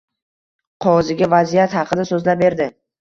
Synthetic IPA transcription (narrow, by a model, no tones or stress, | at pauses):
qʰɒʁzɪɡʲavazijat̪hɑqʰɨd̪asɵzlabe̞ɾd̪ɪ